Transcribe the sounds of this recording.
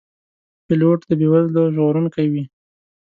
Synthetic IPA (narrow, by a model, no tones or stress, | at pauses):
pɪloʈd̪əbewazloʒɣoɾunkajwi